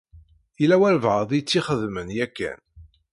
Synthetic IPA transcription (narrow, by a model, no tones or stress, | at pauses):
ilæwæɾvʁəðˤijt͡sːiχəðmənjækːæ̰n